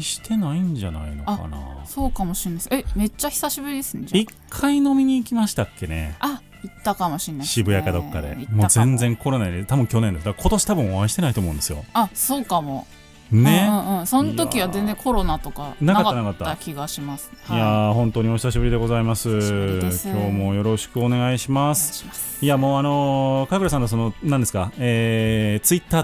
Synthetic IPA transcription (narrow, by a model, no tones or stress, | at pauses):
ɕi̥t̪ʰe̞naiɲ̟d͡ʑana̰ino̞̰aa̰na̰so̞ːkamo̞ɕinːaiseme̞t͡ɕːaçi̥saɕibɯ̟ɾʲid̪esɨned͡ʑaikʰːaino̞mʲiɲ̟iːkʲimaɕi̥t̪akːe̞ne̞̰a | it̪ːakamo̞ɕĩnːaiɕibɯ̟jakad̪o̞kːa̰d̪ḛimo̞ːzẽ̞nzẽ̞ŋko̞ɾo̞naɲiet̪abɯ̟ŋkʲo̞ne̞nd̪esd̪akakʰo̞t̪o̞ɕi̥t̪abɯ̟̃ɰ̃o̞βaiɕi̥t̪e̞nait̪omoɯ̃nd̪e̞sɨjo̞̰aso̞ːkamo̞̰ | nẽ̞ɯ̃ɴsõnoiβ̞azẽnd͡zẽko̞ɾo̞nat̪o̞kanak̪ataanakat̪ːakʲʰiɡaɕimasɨ̥ijahõ̞nt̪oɲioɕi̥s̬aɕibɯɾid̪e̞ɡo̞zaimasɨkʰʲo̞ːmo̞jo̞ɾo̞ɕi̥kɯone̞ɡaiɕimasɨ̥ | iamoːano̞kakɯ̟ɾas̬ãnos̬o̞no̞nãnd̪esɨ̥kaeːt͡sɨit̪ːaː